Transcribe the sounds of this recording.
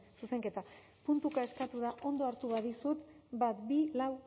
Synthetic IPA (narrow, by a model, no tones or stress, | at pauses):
suse̞ŋke̞t̪a | punt̪ukae̞skat̪uðaʔo̞nd̪o̞aɾt̪uβaðisut̪bat̪bilaw